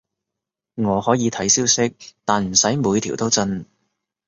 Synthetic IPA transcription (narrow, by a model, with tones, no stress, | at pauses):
ŋɔː˨˧hɔː˨˥jiː˨˧t̪ʰɐ˨˥jsiː˥wsɪ˥k̚t̪aː˨nm̩˨˩sɐ˨˥jmuː˨˧jt̪ʰiː˨˩wt̪o˥wt͡sɐ˥n